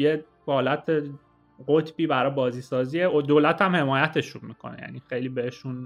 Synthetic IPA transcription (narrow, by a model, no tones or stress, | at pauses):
je | hɒːlæt̪ʰe | ɢot̪ʰb̥iːbæɾɒjbɒːziːsɒːziːeʔod̪oːlæt̪ʰæmhe̞mɒːjæt̪ʰe̞ʃunmiːkʰo̞̰nḛjæ̰niːxejliːbeeʃun